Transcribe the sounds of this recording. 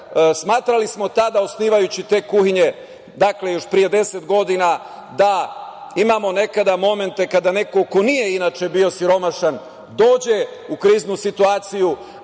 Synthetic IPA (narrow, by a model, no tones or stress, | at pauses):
smaːt̪ɾalismo̞t̪ad̪aosniːʋajut͡ɕit̪e̞ːkuhiɲe̞ | d̪akle̞jo̞ʃpɾije̞d̪e̞set̪ɡo̞d̪ina | d̪aimamo̞ne̞kad̪amo̞me̞nt̪e̞kad̪ane̞ko̞ko̞nije̞inat͡ʃebio̞siɾo̞maʃan | d̪o̞ːd͡ʑe̞ | ukɾiːznusit̪uaːt̪siju